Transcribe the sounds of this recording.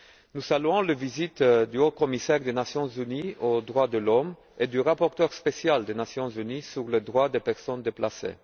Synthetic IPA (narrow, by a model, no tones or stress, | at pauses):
nusalyɔ̃ləvizit̪d̪yokɔmisɛʁd̪enasjɔ̃zyniod̪ʁwad̪əlɔm | ed̪yʁapɔʁt̪œʁspesjald̪enasjɔ̃zynisyʁləd̪ʁwad̪epɛʁsɔnd̪eplasḛ